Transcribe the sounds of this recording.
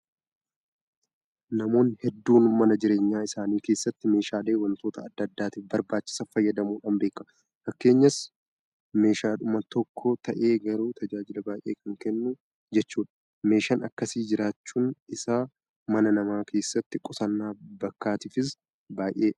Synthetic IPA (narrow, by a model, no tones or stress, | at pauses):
nɐmo̞ːnhɛd̪ːuːnmɐnɐd͡ʒɪɾe̞ːɲːaːɪsaːniːke̞ːsːɐt̪ːɪme̞ːʃaːle̞ːwɐnt̪o̞ːt̪ʰɐːd̪ːɐd̪ːaːt̪iːfbɐɾbaːt͡ʃːɪ̥sɐfɐjːɐd̪ɐmuːᶑɐnbe̞ːkːɐ | fɐkːe̞ːɲːɐs | me̞ːʃaːᶑʊmɐt̪ɔkʰːot̪ʰɐʔe̞ːɡɐɾuːt̪ʰɐd͡ʒaːd͡ʒɪlɐbaːjʔe̞ːkɐŋkɛnːʊ | d͡ʒɛt͡ʃːuːᶑɐ̥ | me̞ːʃɐnɐkːɐsiːd͡ʒɪɾaːt͡ʃːuːnɪsaː | mɐnɐnɐmaːkʰe̞ːsːɐt̪ːɪkʼɔsɐnːaːbɐkːaːt̪ɪfɪs | baːʔe̞ː